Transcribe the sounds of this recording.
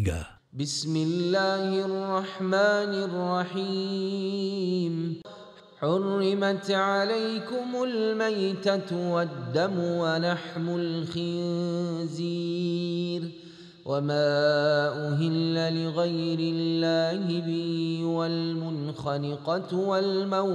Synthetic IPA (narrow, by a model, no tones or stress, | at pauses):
bɪsmɪlːaːhɪʔɑrˤːɑħmaːnɪrˤːɑħi | m | ħʊrːɪmat̪ʕalajkʊmʊlmajt̪awad̪ːamʊwanaħmʊlxɪnzi | ɾ | wʔamaːʔʊɦɪlːalɪɣajɾɪlːaːhɪbɪhwalmʊn | xalɪqɑwalmaw